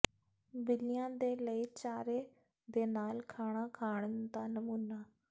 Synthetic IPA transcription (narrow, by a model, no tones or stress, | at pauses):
bɪlijãːd̪eːləiːt͡ʃaːɾeː | d̪eːnaːlkʰaːɽ̃aːkʰaːɳənd̪aːnəmuːnaː